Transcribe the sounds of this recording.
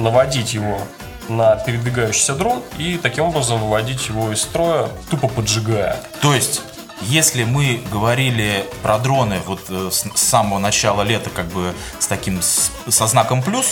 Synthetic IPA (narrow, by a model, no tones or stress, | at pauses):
nəvɐdʲitʲjɪvo̞ | nəpʲɪɾʲɪd̪vʲɪɡajʉɕːɪ̥jsʲəd̪ɾo̞nit̪ɐkʲimo̞bɾəzəmvɨvɐdʲitʲjɪvo̞ɪsst̪ɾojət̪upəpədʐɨɡajə̰t̪o̞jɪsʲtʲ | jesʲlʲɪmɨɡəvɐɾʲilʲɪpɾʔɐd̪ɾo̞nɨvo̞t̪ːssːaməvənɐt͡ɕalˠəlʲe̞t̪əkaɡ̚bɨ | st̪ɐkʲims | sɐznakəmplʲus